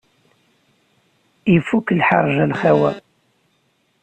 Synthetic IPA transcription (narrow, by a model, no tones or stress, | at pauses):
ifːuklħɑ̰ɾˤʒælχæwæ̰